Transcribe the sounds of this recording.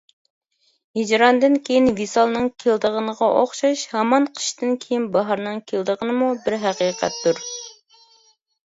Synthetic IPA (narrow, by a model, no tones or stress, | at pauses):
hid͡ʒɾɑnd̪ɨnkʲʰejinvisɑlˠnɨŋkʲʰeld̪əʁənəʁɑʔoχʃɑʃhɑmɑnqʰə̥ʃt̪ɨnkʲʰejinbɑɦɑɾnɨŋkʲʰeld̪əʁənɨmubɪɾɦæqiːqʰɛ̰t̪ːuɾ